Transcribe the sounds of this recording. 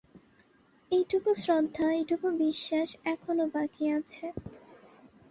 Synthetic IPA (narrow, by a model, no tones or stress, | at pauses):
ejʈukusɾod̪ʱːaejʈukubiʃːaʃɛkʰonobakiat͡ɕʰe